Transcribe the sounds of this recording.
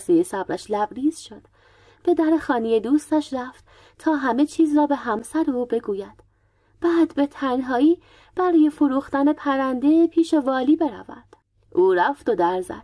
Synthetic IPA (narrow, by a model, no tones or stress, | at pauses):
sejesæb̥ɾæ̰ʃlæbɾiːz̥ʃo̞d̪̥ | b̥e̞d̪æɾe̞xɒːnijed̪uːst̪æʃɾæft̪ | t̪ʰɒːɦæme̞t͡ʃʰiːzrɒːbe̞ɦæmsæɾeuːbe̞ɡuːjæd̪̥ | b̥æːd̪be̞t̪ʰænɦɒːiː | b̥æɾɒːjefoɾuːxt̪æne̞pʰæɾænd̪e̞pʰiːʃe̞vɒːliːbe̞ɾæ̰væ̰d̪̥ | ʔuːɾæft̪o̞d̪æɾzæ̰d̪̥̚